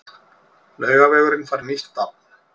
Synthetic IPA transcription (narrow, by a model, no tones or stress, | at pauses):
lœɥɣavɛːɣʏɾɪŋfaɾnist̪a